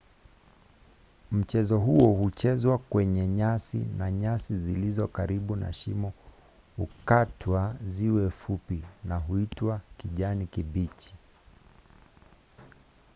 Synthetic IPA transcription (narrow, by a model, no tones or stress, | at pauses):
m̩t͡ʃɛzɔɦuɔhut͡ʃɛzwakwɛɲɛɲasḭnaɲasizilizɔkaɾiɓuna̰ʃimɔ | hukatʰwaziwɛfupinaɦuitwakiʄanikibit͡ʃi̥